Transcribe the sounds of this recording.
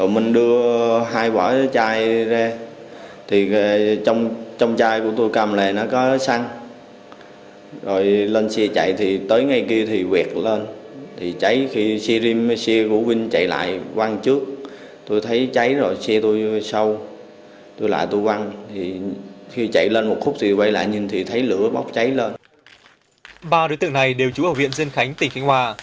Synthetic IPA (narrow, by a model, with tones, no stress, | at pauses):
zo˨˩jmï˨˩ŋ̟ɗɨ˧əɦaː˧jvɔː˧˩t͡ɕaː˧jzaː˧ | t̪ʰi˨˩˨t͡ɕɔ˧wŋ͡mt͡ɕɔ˧wŋ͡mt͡ɕaː˧jku˧˩ət̪o˧jkaː˧˩mle˨˩nɔ˨˦kɔ˨˦sa˧ŋ | zo˨˩jləː˧nsɛ˧t͡ɕa̰˧˨jt̪ʰi˨˩t̪əː˨˦jŋa˨˩jki˧ət̪ʰi˨˩wɛ˨˩t̚ləː˧nt̪ʰi˨˩t͡ɕa˨˦jxi˧sɛ˧zi˧msɛ˧ku˧˩vi˧ŋt͡ɕa̰˧˨jla̰ː˧˨jʔwa˧ŋt͡ɕɨ˦˥ək̚ | t̪o˧jt̪ʰə˨˦jt͡ɕa˨˦jzo˨˩jsɛ˧t̪u˧jsə˧w | t̪o˧jla̰ː˧˨jt̪u˧jkwa˧ŋt̪ʰi˨˩xi˧t͡ɕa̰˧˨jləː˧nmo˨˩t̚xʊ˦˥k͡p̚t̪ʰi˨˩˧wa˧˨˦jla̰ː˧˨jɲi˨˩nt̪ʰi˨˩t̪ʰə˨˦jlɨ̰˧˥əɓa˦˥wk͡p̚t͡ɕa˨˦jləː˧n | ɓaː˧ɗo˨˦jt̪ɨ̰˧˨ŋna˨˩jɗe˨˩wt͡ɕu˨˦əː˧˩vḭ˧˨ənzi˧ənxa˨˦jŋ̟t̪ï˨˩ŋ̟ka˧jŋ̟hwaː˧˩